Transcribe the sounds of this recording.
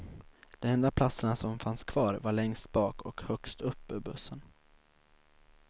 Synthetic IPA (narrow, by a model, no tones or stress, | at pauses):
d̪̥ɛmɛnd̪apʰlat̪səɳasɔmfanskʰv̥ɑːɾvaɭɛŋst̪̚bɑːkɔkhœkst̪ɵpːɵɾbɵsːən